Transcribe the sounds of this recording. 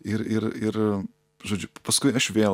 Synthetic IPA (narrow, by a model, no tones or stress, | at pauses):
ɪɾɪɾɪɾ | ʒoːd͡ʒʲʊpɐskʊɪɐʃʋʲeː